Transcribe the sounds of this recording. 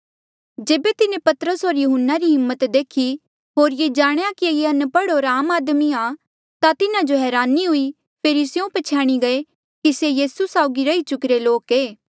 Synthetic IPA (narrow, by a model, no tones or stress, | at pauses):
d͡ʒeːbet̪ɪnẽpɐt̪əɾəsɦoːɾjʊɦənːaɾiɦɪmːət̪d̪eːkʰi | ɦoːɾjed͡ʒaːɽ̃ejakiejeɐnpɐɽɦoːɾaːmaːd̪miã | t̪at̪ɪnad͡ʒoɦɛːɾaːnːiɦʊi | pʰeːɾisjõpɐt͡ʃʰjaːɽ̃iɡɐe | kisejiːsusaːʊɡiɾɐit͡ʃʊkɾeloːkeː